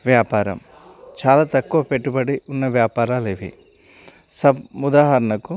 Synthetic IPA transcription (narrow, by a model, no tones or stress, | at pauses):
ʋjaːpaːɾɐ̰m | t͡ʃaːlaːt̪ɐkːuʋɐpeʈːubɐɽiunːɐʋjaːpaːɾaːleːʋḭ | sɐbmud̪aːɦɐɾɐnɐku